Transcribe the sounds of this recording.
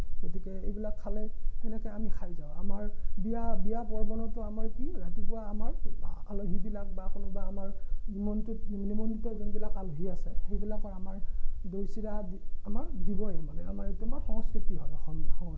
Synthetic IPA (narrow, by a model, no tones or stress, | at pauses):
ɡɡiotikɛejbilakʰːalɛɛnɛkɛjamikʰajzaʊ̃a̰maɹbiabijapɔɹbɔnɔtɔamaɹkiɹatipʊaamaɹaloɦibilak̚baxɔnɔbaːmaɹnimɔntutinimɔntɔzɔnbilakaloɦiasɛxejbilakɔɹamaɹdojsidadiamaɹdibɔjamanɛa̰maɹtʊmaɹxɔŋɔskitianɔxɔnbɔxɔɔs